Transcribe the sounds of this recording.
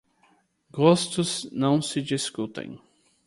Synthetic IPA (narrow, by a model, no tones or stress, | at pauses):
ɡost̪ʊznɐ̃w̃sɪd͡ʒiskut̪ḛ̃j̃